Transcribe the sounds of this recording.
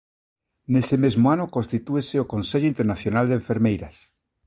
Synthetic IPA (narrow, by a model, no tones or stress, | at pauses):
nesemezmoanokonst̪it̪ueseokonseʎoint̪eɾnaθjonald̪ẽɱfeɾmejɾas